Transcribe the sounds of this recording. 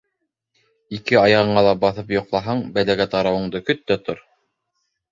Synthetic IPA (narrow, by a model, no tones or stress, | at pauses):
ikɘɑjɑʁɤ̆ɴɑlˠɑbɑθɤpjŏqlˠɑɦɑɴbælæɡæt̪ɑɾɑwɤ̆ɴd̪ɤkɵ̆t̪ːæt̪oɾ